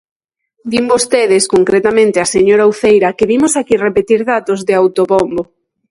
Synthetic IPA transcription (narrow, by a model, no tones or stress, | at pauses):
d̪imbost̪eðɪskoŋkɾet̪amẽnt̪easeɲoɾauθejɾakɪβimʊsakirepet̪iɾðat̪ozðeawt̪oβombo